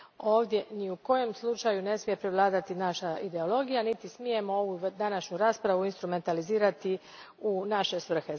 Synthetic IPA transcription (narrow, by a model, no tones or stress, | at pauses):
o̞ːʋd̪ʲje̞niuko̞jo̞mslˠut͡ʃajune̞smije̞pɾeʋlˠaːd̪at̪inaʃaid̪e̞o̞lˠo̞ɡijanit̪ismije̞mo̞oʋud̪anaʃɲuɾaːspɾaʋuinst̪ɾume̞nt̪aliziːɾat̪i | unaʃe̞sʋr̩xe